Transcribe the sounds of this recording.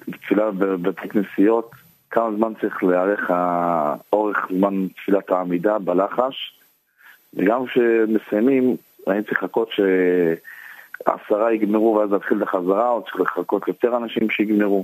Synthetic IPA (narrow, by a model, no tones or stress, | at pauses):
bet̪filabebat̪ʰeknesijo̞t | kʰamazmant͡saʁiχleaʁeχa | o̞ʁeχzmant̪filataːmidabalaχaʃ | veɡamkʃemesajmim | ʁaimt͡sʁiχako̞tʃe | a̰saʁaiɡmeʁuveazat̪χilleχazaʁaot͡sʁiχleχako̞tjo̞t̪eʁanaʃimʃeiɡmeʁu